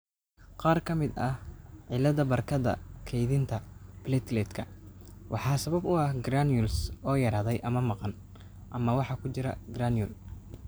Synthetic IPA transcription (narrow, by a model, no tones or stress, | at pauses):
qɑːrkʰɐmɪd̪ɐhʕɪlɐðɐbɐrkʰɐðɐ̰kʰɛjðɪnt̪ʰɐb̥lɛt̪lɛːt̪kʰɐwʔɑħɑːsɐβɐbʊɐhɡraːnjʊlsɔːjɐɾaːðɛjʔɐmɐmɑqɑn | ʔɐmɐwɑħɑːkʰʊt͡ʃɪɾɐ̰ɡraːnjʊl